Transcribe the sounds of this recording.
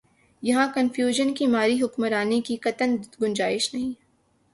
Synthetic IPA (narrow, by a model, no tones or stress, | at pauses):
jɐɦãkɐnfjuːʒənkimaːɾiɦʊkməɾaːnekikɐt̪ənɡʊ̃nd͡ʒaːɪʃnɐɦĩː